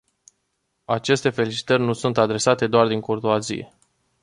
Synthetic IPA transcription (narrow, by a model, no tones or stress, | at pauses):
at͡ʃe̞st̪e̞fe̞lit͡ʃi̥t̪ərʲnusunt̪ad̪ɾe̞sat̪e̞d̪oard̪iŋkord̪oazḭḛ